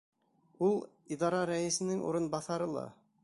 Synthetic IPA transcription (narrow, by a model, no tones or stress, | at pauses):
ulˠ | id̪ɑɾɑɾæĭsɘ̆nɘŋṵɾɤnbɑθɑɾɤlˠɑ̰